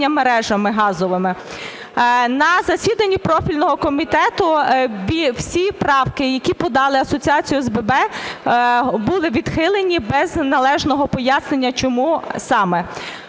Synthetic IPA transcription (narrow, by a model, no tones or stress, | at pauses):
ɐmeɾɛʒɐmɪɦɑzɔʋɪmɪ | nɐzɐsʲid̪ɐnʲːipɾɔfʲilʲnɔɦɔkɔmʲit̪ɛt̪ʊʋʲiwsʲipɾɑwkɪjɐkʲipɔd̪ɑlˠɪɐsɔt͡sʲiɑt͡sʲijʊzbɛbɛ | bulˠɪʋʲid̪̥xɪlˠenʲibɛznɐlˠɛʒnɔɦɔpɔjasnenʲːɐt͡ʃɔmusɑmɛ